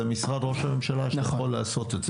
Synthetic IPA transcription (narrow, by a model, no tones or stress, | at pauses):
misʁad̪ʁo̞ʃame̞mʃalaʃolːaːso̞t̪etz